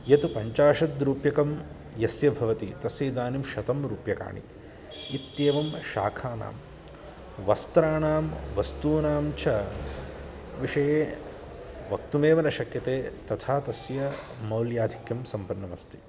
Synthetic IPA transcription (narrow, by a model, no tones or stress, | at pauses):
jɐt̪upɐɲt͡ʃaːʂɐd̪ɾuːpjɐkɐm | jɐsjɐbʱɐʋɐt̪it̪ɐsjiːd̪aːnimʃɐt̪ɐmɾuːpjɐka̰ːɳḭː | t̪jeːʋɐmʃa̰ːkʰaːna̰ːm | ʋɐst̪ɾaːɳaːmʋɐst̪uːnaːmt͡ʃʰɐ | ʋiʂɐjeː | ʋɐkt̪umeːʋɐnɐʃɐkjɐt̪eːt̪ɐt̪ʰaːt̪ɐsjɐ | mɐwljaːd̪ʱikjɐmsɐmpɐnːɐmɐst̪i̥